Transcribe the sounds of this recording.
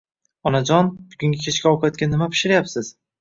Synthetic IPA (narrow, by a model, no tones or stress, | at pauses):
ɒnad͡ʒɒnb̥ʊɡʲʊŋɡʲɪkʲʰet͡ʃkʲaɒqʰjt̪kʲanːɪmapʰɪ̥ʃɪɾajapsɪz̥